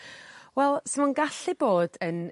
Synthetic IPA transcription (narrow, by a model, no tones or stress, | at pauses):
wɛlˠsɪmanɡaɬɨboːdən